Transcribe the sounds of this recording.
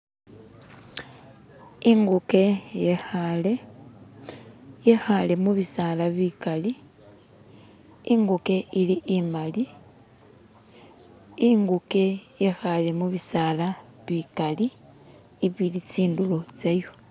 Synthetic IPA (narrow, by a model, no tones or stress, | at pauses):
iŋɡuke | le | jexale̞muβisalaβikali | iŋɡuke̞iliʔimbali | iŋɡuke̞jexale̞muβisalaβikaliː | βilit͡siːndulo̞t͡sejo